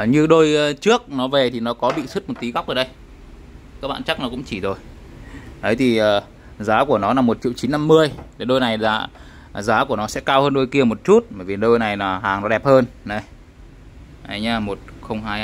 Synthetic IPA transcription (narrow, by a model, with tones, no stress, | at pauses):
ɲɨ˧ɗo˧jt͡ɕɨ˦˥ək̚nɔ˨˦ve˨˩t̪ʰi˨˩nɔ˨˦kɔ˨˦ɓḭ˧˨sɨ˦˥t̚mo˨˩t̚t̪i˨˦ɣa˦˥k͡pʔːɗə˧j | kaː˦˥k̚ɓa̰ː˧˨t͡ɕa˦˥k̚nɔ˨˦kʊ̰˧˥ŋ͡mt͡ɕi˧˩zo˨˩j | ɗə˨˦jt̪ʰi˨˩ʔəː˨˩ | zaː˨˦ku˧˩ənɔ˨˦naː˨˩mo˨˩t̚t͡ɕḭ˧˨əwt͡ɕi˨˦nːa˧mːɨ˧əje˧˩ɗo˧jna˨˩jla̰ː˨˩ | zaː˨˦ku˧˩ənɔ˨˦sɛ̰˧˥kaː˧whəː˧nɗo˧jki˧əmo˨˩t̚t͡ɕu˦˥t̚ɓəː˧˩vi˨˩ɗo˧jna˨˩jnaː˨˩haː˨˩ŋnɔ˨˦ɗɛ˨˩p̚həː˧nnə˨˦j | ʔə˨˦jɲaː˧˩mo˨˩t̚xə˧wŋ͡mɦaː˧j